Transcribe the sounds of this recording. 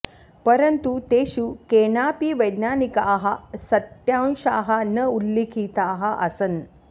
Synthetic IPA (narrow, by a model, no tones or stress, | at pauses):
pəɾənt̪ut̪eɕukeɳaːpiʋəjd̪naːnikaɦɐsɐt̪jãnɕaɦɐnəulːikʰit̪aːɦaʔɐsən